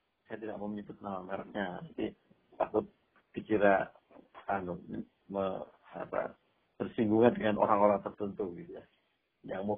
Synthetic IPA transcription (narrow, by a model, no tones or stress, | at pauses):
sajat̪̬ida̰k̚moməɲəbʊt̪̚namamaɾak̚ɲanant̪i | t̪a̰kʊt̪̚ | dikiɾa | anʊni | mə | a̰pa̰ | t̪ərsiŋɡuŋanɡəŋano̰ɾaŋoɾaŋt̪ərt̪ənt̪uɡit̪uja | jaŋmo